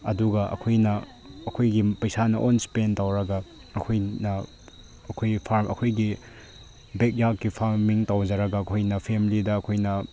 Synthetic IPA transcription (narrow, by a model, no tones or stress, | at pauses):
ɐ̰duɡɐʔɐ̰kʰojnɐː | kʰojɡipɐjsanɐʔonspentawɾɐɡɐ | ɐkʰojnɐ | ɐkʰojpʰaɾmʔɐ̰kʰojɡi | bek̚jakkipʰaɾmiŋtawd͡ʒɐɾɐɡɐːkʰojnɐpʰemilidɐːkʰojnɐ